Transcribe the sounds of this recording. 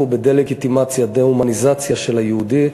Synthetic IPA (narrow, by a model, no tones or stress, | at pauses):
ubed̪eleɡit̪imat͡sjad̪eumanizat͡sjaʃe̞lhajeud̪i